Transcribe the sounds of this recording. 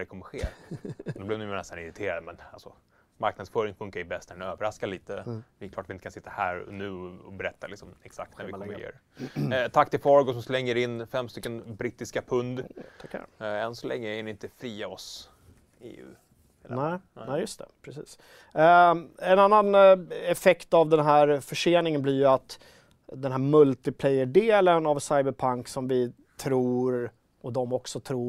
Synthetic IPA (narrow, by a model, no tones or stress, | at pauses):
ɛkʰɔməɧeːɾd̪ɔblɛvd̪ɛjənɛst̪anɪɾɪt̪ʰeːɾad̪mɛnalsɔ | maɾk̚nad̪sfœːɾɪŋfɵŋkaɾɪbɛst̪ʰɛɛnøːvəɾaskaliːt̪əvɪkʰlɑːʈatvɪnəkʰasɪt̪ːahæːɾnʉ̟ːɔbɛɾɛt̪ːalɪksɔmɛksak̚t̪næɾvɪjø̰ːɾ | t̪ʰakːt̪ʰɪlfɔɾɡɔsɔmslɛŋːəɾɪnːfɛmːst̪ʏkːənbɾit̪ːɪskapʰɵnd̪t̪ʰakːæ̰ɛnsɔlʔɛ̰ŋːəɛnɪɪnt̪əfɾiːaɔs | ḛːʉ̰ | nɛɪnɛjɵst̪ʰɛ̰pʰɾɛsiːs | ɛnanːanɛfɛkt̪avd̪ɛnɦæːɾfœʂeːnɪŋənblɪɾjɵat̪ | d̪ɛnɦæːɾmɵlt̪ɪpʰlɛjəɖeːlənavsajbəɾpʰaŋksɔmvɪ | t̪ʰɾuːɾ | ɔd̪ɔmɔksɔt̪ʰɾuː